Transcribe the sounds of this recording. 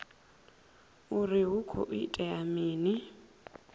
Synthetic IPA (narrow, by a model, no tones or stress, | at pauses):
uriɦukʰɔ̰ʔḭtʼɛamiːni